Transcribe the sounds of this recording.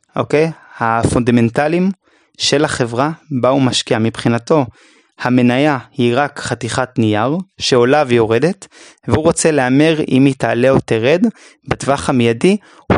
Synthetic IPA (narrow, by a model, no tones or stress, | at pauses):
ʔokejhafondame̞ntalim | ʃe̞laχe̞vʁabaumaʃkiamipχinato̞ | hame̞najahiʁakχatiχatnijaʁʃeo̞lavejo̞ʁe̞de̞t | vehuʁo̞t͡se̞leameʁḭmitale̞oteʁed | batvaχamejadi